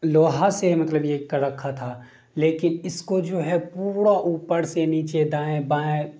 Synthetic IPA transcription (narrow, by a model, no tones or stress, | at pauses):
loːɦasemɐt̪ləbjeːkːaɾɐkʰːat̪ʰaː | leːkɪnɪskod͡ʒoːɦɛpuːɽaʔuːpəɾseniːt͡ʃed̪aːẽbãːẽ